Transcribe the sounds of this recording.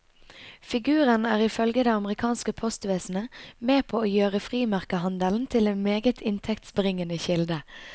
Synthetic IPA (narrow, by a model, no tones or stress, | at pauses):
fɪɡʉːʁənæːʁɪfœlɡəd̪ɛɑməʁɪkʰɑːnskəpʰɔst̪ʋeːsn̩əmeːpʰoːoːjøːʁəfʁiːmæʁkəhɑnd̪əln̩t̪ʰɪleːnmeːɡət̪ʰɪnt̪ʰɛkt̪sbəʁɪŋənəçɪld̪ə